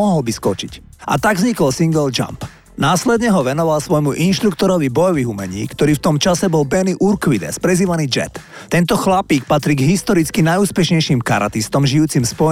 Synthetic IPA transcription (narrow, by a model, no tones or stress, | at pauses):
ɔɦɔlbiskɔt͡ʃic | ʔa̰t̪aɡvzɲikɔlsiŋɡɛld͡ʒa̰mp | naːslɛd̪ɲɛɦɔʋɛnɔʋalsʋɔjmuʔinʃt̪ɾukt̪ɔɾɔʋibɔjɔʋiɦumɛɲḭːkt̪ɔɾiːft̪ɔmt͡ʃasɛbɔlbɛniʔuɾkʋid̪ɛ̰spɾɛziːʋaniːd͡ʒɛ̰t̪ːɛnt̪ɔxlapiːk̚pat̪ɾiɡɦist̪ɔɾit͡skinajuːspɛʃɲɛjʃimkaɾa̰t̪ist̪ɔmʒiuːt͡simspɔ